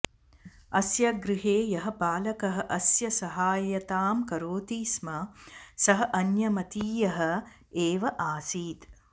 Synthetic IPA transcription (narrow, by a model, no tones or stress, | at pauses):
ɐsjɐɡɾɪɦeːjɐɦɐ̆paːlɐkɐɦɐʔɐsjɐsɐɦaːjɐt̪aːmkɐɾoːt̪iːsmɐsɐɦɐʔɐnjɐmɐt̪iːjɐɦɐ̆ | eːʋɐʔaːsiːt̪